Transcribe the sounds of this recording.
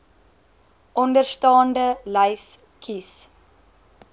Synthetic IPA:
ʔɔndərstɑːndələjs | kʰis

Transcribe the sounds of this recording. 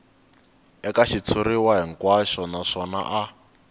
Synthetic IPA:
ɛkaʃit͡sʰuɾiwaɦiŋ̩kwaʃɔnaʂɔna̰ʔa

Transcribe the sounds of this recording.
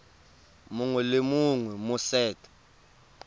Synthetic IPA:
muŋwɛlemuŋwɛmusɛːtʰʼɛ̥

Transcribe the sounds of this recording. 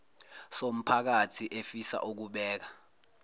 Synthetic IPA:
som̩pʰak̬atʰiʔefisa̰ʔuk̬uɓɛːk̬ḁ

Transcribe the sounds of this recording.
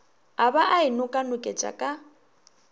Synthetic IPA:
abaʔaɪnʊkʼanʊkʼet͡ʃʼa̰kʼa

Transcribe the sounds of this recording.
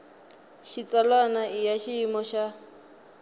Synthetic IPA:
ʃit͡salanaijaʃiimɔʃa

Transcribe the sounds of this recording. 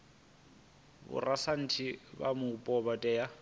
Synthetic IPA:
bʊ̰rasan̩tʰibamʊpʼɔbatʼɛja

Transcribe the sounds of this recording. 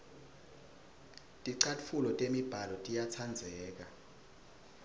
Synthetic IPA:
tʼiǀafulɔtʼemib̥ʱalɔtʼijat͡sʰand͡zʱɛːk̬ʼa

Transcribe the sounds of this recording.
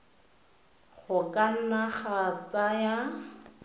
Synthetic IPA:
χʊkʼan̩naχat͡saja

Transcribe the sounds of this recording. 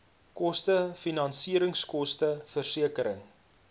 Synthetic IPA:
kɔstəfinɐnsiəɾəŋskɔstəfərsiəkəɾəŋ

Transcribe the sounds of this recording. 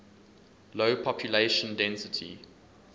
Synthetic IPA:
loʊpʰɔpʰjuleɪʃə̃ndɛ̃nsɪtʰḭ

